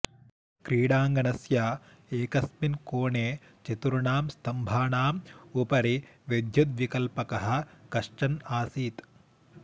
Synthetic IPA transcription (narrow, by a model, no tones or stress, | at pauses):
kɾiːɽaːŋɡɐnɐsjaː | eːkɐsminkoːɳeː | t͡ʃit̪uɾuɳaːmst̪ɐmbʱaːnaːmupɐɾiʋed̪ʱjut̪̚ʋikɐlpɐkɐɦɐ̆kɐʂʈɐnaːsiːt̪